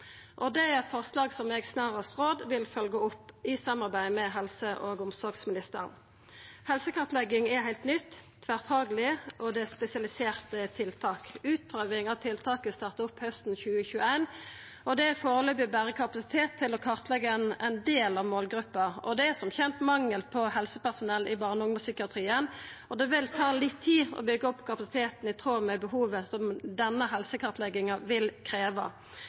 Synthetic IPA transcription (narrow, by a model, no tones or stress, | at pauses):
ʔɔd̪ɛæɛt̪fɔʁslɑːɡsɔmɛɡsnɑːʁəst̪ʁoːd̪ʋɪlfœlɡəʊpːɪsɑmɑʁbæɪmɛɦɛlsəʔoɡʊmsɔɾɡsmɪnɪst̪ə̰ʁn | hɛlsəkʰɑʁt̪lɛɡːɪŋɛhæɪlt̪nʏt̪ːʰ | ʋæʁt̪ʰɑːɡəlɪʔɔd̪ɛspɛsɪɑlɪseːʁt̪ət̪ʰɪlt̪ʰɑːkʉːt̪̚pʰʁøːʋɪŋɑʋt̪ʰɪlt̪ʰɑːkəst̪ɑːʁt̪ʊpːhœst̪n̩çʉːəçʉːəæɪn | ɔd̪ɛæfoːɾəløːbɪbæːɾəkʰɑpɑsɪ̥t̪ʰeːt̪ʰːɪlɔkʰɑʁt̪lɛɡːəɛnæɪnd̪eːlɑʋmoːlɡɾʉpːɑɔd̪ɛæsɔmçɛnt̪mɑŋːəlpʰɔhɛlsəpæʁsʊnɛlːʔɪbɑːʁnəʊŋməsʏkɪɑt̪ʰʁiːənɔd̪ɛʋɪlt̪ʰɑːlɪt̪ʰːiːɔ̰bʏɡəɔpːkʰɑpɑsɪ̥t̪ʰeːt̪n̩ɪt̪ʰɾoːmɛbəhuːʋəsɔmd̪ɛnːəɦɛlsəkʰɑʁt̪ʰlɛɡɪŋɑʋɪlkʰɾeːʋɑ̰